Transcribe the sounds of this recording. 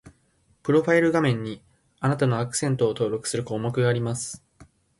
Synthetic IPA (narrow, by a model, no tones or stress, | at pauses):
pɯ̟ɾo̞ɸaiɾɯ̟ɡamẽ̞ɲ̟ːi | anat̪ano̞akɯ̥sẽ̞nt̪o̞ːt̪o̞ːɾo̞kɯ̟̥sɨɾɯ̟ko̞ːmo̞kɯ̟ɡaːɾʲimasɨ̥